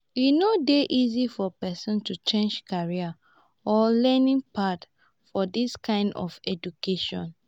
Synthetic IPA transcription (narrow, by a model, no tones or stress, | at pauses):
jinodeʔizifɔpɛsɔ̃ntut͡ʃẽnd͡ʒkʰaɹia | ɔlɛnĩŋpat | fɔdiskʰãɪ̃ndɔ̰fɛd͡ʒukeʃɔ̰̃n